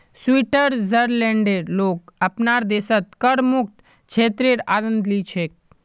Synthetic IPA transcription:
swiʈəɾzəɾlẽːɳɖeɾloːkəpnaɾd̪eːsət̪̚kəɾmʊk̚t̪ | t͡ʃʰeːt̪ɾeɾa̰ːɾənd̪lit͡ʃʰek̚

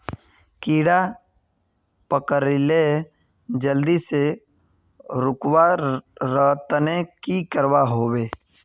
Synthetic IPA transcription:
kiːɽa | pəkəɾɪle | d͡ʒəld̪ise | ɾʊkwaɾəɦt̪ənekikəɾwaɦoːweː

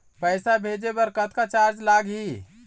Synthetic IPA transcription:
pəɪsabʱed͡ʒebəɾkət̪kat͡ʃaɾd͡ʒlaɡɦi

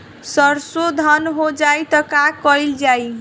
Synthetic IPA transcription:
sʌɾsod̪ʱʌnɦod͡ʒajt̪ʌkakʌjld͡ʒaj

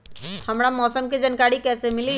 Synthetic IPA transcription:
həmɽamɔːsəmked͡ʒənkaːɾikɛːsemɪli

